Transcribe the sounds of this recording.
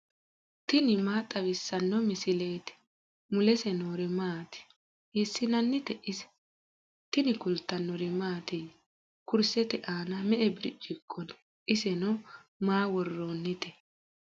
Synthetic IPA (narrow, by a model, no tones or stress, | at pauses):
t̪ɪnɪmaːt̪ʼːɐβɪsːɐnːɔmɪsɪleːt̪ɛ̥ | mʊlɛsɛnoːɾɪmaːt̪ɪ̥ | hɛsːɪnɐnːɪt̪ɛʔɪsɛ̥ | t̪ɪnɪkʊlt̪ːɐnːɔɾɪmaːt̪ɛ | kʊɾsɛt̪ɛʔaːnɐmɛʔɛbɪɾɪ̰t͡ʃʼːɪkʼːɔn | ʔɪsɛnɔmaːwɔrːoːnːɪt̪ɛ